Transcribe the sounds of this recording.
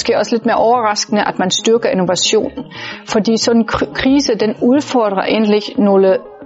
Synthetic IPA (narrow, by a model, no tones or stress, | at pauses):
sɡ̥e̝̰ɒ̽sle̝d̥me̝ːɐʔɒʊɐʁɑ̈sɡ̥ənəʔæd̥mænsd̥yɐɡ̥ɐino̝ʋæɕo̝̰ːnfɒ̽d̥ḭːsɒ̽d̥n̩kʰʁiːsəd̥enuð̞ˠfɒ̰d̥ʁɐʔe̝̰ːnlie̝ɡ̥no̝ːlə